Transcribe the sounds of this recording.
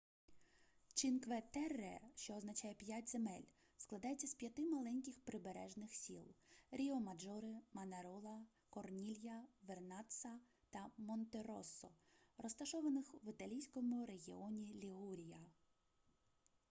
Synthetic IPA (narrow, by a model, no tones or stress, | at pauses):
t͡ʃinkʋɛt̪ɛrɛʃt͡ʃɔːznɐt͡ʃɑjɛpʲjatʲzemɛlʲ | sklˠɐd̪ɑjet͡sʲːɐspʲjɐt̪ɪmɐlˠɛnʲkʲɪxpɾɪbeɾɛʒnɪxsʲḭlˠɾʲiɔmɐd͡ʒɔɾɪmɐnɐɾɔlˠɐ | kɔrnʲilʲjɐʋernɑt̪sɐ | t̪ɐmɔnt̪eɾɔsːɔrɔst̪ɐʃɔʋɐnɪxʋɪt̪ɐlʲijsʲkɔmʊɾe̞ɦʲḭɔnʲilʲiɦuɾʲijɐ